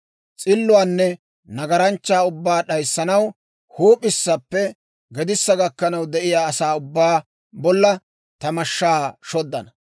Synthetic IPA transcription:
t͡sʼɪlːʊaːnːɛ | nɐɡɐɾɐnt͡ʃːaːʊbːaːɗɐjsːɐnɐw | huːpʼɪsːɐpːɛ | ɡɛd̪ɪsːɐɡɐkːɐnɐwd̪ɛʔɪjaːɐsaːʊbːaː | bɔlːɐ | t̪ɐmɐʃːaːʃɔd̪ːɐnɐ

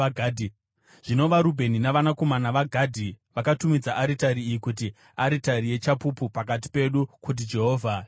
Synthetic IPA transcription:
ɡʱːdʱi | ʐ̥ino̞ʋaɾubʱe̞ninaʋanako̞manaʋaɡʱadʱi | ʋakatumid͡zaʔaɾitaɾiːjikut̬i | aɾitaɾije̞t͡ʃapupupakat̬i̥pe̞ɗukut̬id͡ʒe̞ɦo̞ːvʱa

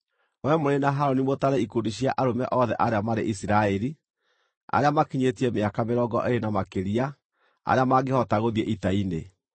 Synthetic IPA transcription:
wɛmoɾenaɦaɾɔnimotaɾɛikundiɕiaʔaɾomɛʔɔðɛ̰ʔaɾeamaɾḛʔisiɾaɛɾi | a̰ɾeamakiɲetiɛmeakameɾɔɡɔ̰ʔeɾenamakeɾia | a̰ɾeamaɡehɔtaɣoðiɛʔitaine

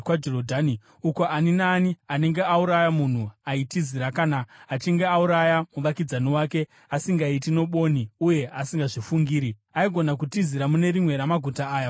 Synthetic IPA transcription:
kwad͡ʒorodʱani | uko̞ʔaninaːniane̞ŋɡe̞auɾajamun̤uaitiziɾakanaːt͡ʃiŋɡe̞auɾajamuʋakid͡zaniwaːke̞ | asiŋɡaitino̞ɓo̞niuje̞ʔasiŋɡaʐifuŋɡiːɾi | aiɡʱo̞nak̬utiziɾamune̞ɾimwe̞ɾamaɡʱutaːja

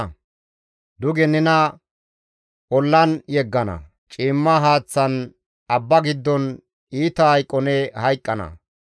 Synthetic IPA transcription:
d̪ʊɡɛnɪnɐ | ʔɔlːɐnjɛɡːɐnɐ̰ | t͡ʃʼiːmːaɦaːt͡sːɐn | ɐbːɐɡɪd̪ːɔn | iːt̪ɐhɐjkʼːɔnɛhɐjkʼːɐnɐ̰

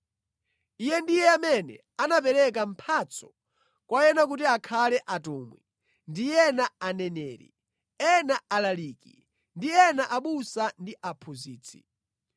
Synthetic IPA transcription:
ijɛndijɛamɛnɛ̰ | anap̬ɛɾɛk̬am̩pʰat͡sʰɔ̥ | kwajɛnak̬utiakʰalɛʔatɔːmwḭ | ndijɛnaanɛnɛːɾḭ | ɛnaalaliːkḭ | ndiɛnaʔaɓusandiʔapʰuziːt͡sʰi̥

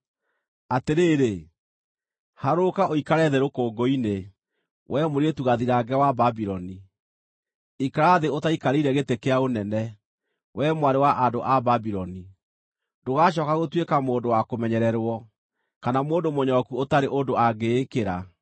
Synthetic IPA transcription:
ateɾeːɾe | haɾokaʔoikaɾɛðɛɾokoːɡoine | wʔɛmoɾeetuɣaðiɾaɡɛwababiɾɔni | ikaɾaðeotaikaɾeiɾɛɣetekeaonɛnɛ | wʔɛmowaɾewaʔandoʔababiɾɔni | doɣaɕ̬ɔːkaɣotwekamoːndowakomɛɲɛɾɛɾwɔ | kanamoːndomoɲɔkuotaɾeʔodoaɡeːkeɾa

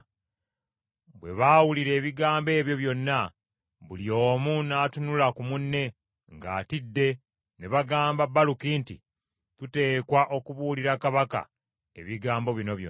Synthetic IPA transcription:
βwe̞̰βawuliɾe̞ːβiɡaːmbe̞ːβjo̞βjo̞nːa | βuljo̞ːmunatunulakumunːe̞ | ŋɡa̰ːtidːe̞ | neβaɡaːmbabalukintḭ | tute̞ːkwaʔo̞kuβuliɾakaβaka̰ | e̞̰βiɡaːmbo̞βino̞βjo̰

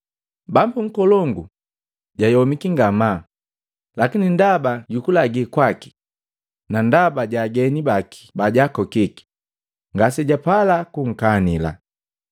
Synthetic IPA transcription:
bambuŋ̩kɔlɔŋɡu | ɟajɔmikiŋɡama | lakinindabaɟukulaɡikwaki̥ | nandabaɟaɡɛnibaki̥baɟakɔkiki̥ | ŋɡasɛɟapalakuŋ̩kanila̰

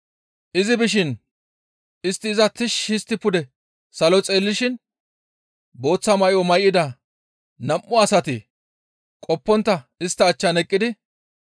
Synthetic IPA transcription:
ʔɪzɪbɪʃ̬ɪn | ɪst̪ːɪːzɐt̪ɪʃɪst̪ːɪpʊd̪ɛ | sɐlɔt͡sʼe̞ːlːɪʃɪn | bo̞ːt͡sːɐmɐjɔmɐjʔɪd̪ɐ | nɐmʔːʊɐsɐt̪ɪ | kʼɔpːɔnt̪ːɐɪst̪ːɐːt͡ʃːɐnɛkʼːɪd̪ɪ

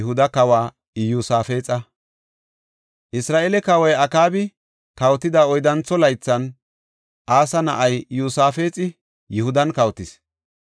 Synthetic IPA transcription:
hʊd̪ɐkɐwaː | juːsaːfe̞ːt͡sʼɐ | ʔɪsɾaːʔeːlɛkɐwɐjɐkaːbɪ | kɐwt̪ːɪd̪aːɔjd̪ɐnt͡sːɔlɐjt͡sːɐn | ʔaːsɐnɐʔɐjjuːsaːfe̞ːt͡sʼɪ | jɪhʊd̪ɐnkɐwt̪ɪs

